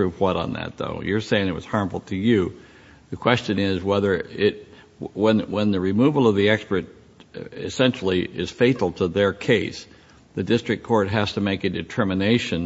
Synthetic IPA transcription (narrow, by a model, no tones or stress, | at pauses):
ɹʉvwʌɾn̩ðɨ̰t̪̚ðo̰ʊjə˞seɪɪ̃ŋɨt̚wʌ̰z̥hɑɹɱfl̩ˠtʰɨjɨ | ðɨkʰw̥ɛst͡ʃɨ̃nɪzwɛðə˞ɪt̚ | wə̃nwə̃nðɨɹimuvl̩ˠʌvðiɛkspə˞ɾ | ɪ̰sɛ̃nʃl̩ˠiʔɪz̥feɪɾl̩ˠtʰəðə˞kʰeɪs | ðɨdɪstɹ̥ɨkʰɔɹt̚ɦæz̥tʰɨmeɪkɨdɨtʰɜ˞mɨneɪʃɨ̃n